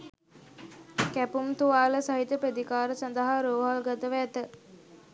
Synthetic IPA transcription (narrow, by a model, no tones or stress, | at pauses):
kæpumt̪uʋaːləsaɦit̪əped̪ikaːɾəsand̪əɦaɾoːɦalɡat̪əʋəːt̪ə